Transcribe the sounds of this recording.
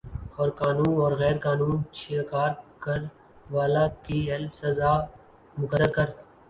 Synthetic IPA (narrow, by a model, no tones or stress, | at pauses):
ɔːɾkaːnuːnɔːɾɣɛːɾkaːnuːnʃʰekaːɾkəɾ | ʋaːlaːkiːɦɛlfsəzaː | mʊkəɾːəɾkəɾ